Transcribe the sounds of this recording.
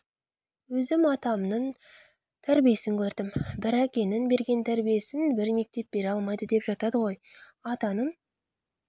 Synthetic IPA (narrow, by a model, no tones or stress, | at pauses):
wɵzɪmɑt̪ɑmnən | t̪ʰæɾbijesɪŋkʲʰɵɾd̪ɪmbɪɾæqʲe̞nɪnbe̞ɾɡʲe̞nt̪ʰæɾbije̞sɪnbɪɾme̞k̚t̪e̞p̚be̞ɾɑlˠmɑjd̪əd̪e̞pʒ̥ɑt̪ɑd̪əʁo̞j | ɑt̪ɑnən